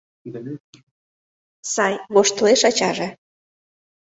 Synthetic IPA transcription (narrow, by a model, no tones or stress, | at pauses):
sɑjβoʃt̪əleʃɑt͡ɕɑʒe